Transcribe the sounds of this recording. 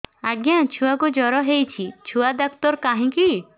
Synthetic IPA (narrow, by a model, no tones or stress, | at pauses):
aɡjãt͡ʃʰuakud͡ʒɔɾɔɦejt͡ʃʰit͡ʃʰuad̪ɔkt̪ɔɾkaɦĩki